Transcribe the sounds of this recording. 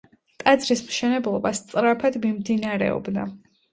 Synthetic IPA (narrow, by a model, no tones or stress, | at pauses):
t̪ʼad̪zɾismʃɛnɛblˠɔbast̪sʼɾapʰad̪mimd̪inaɾɛ̰ɔ̰bna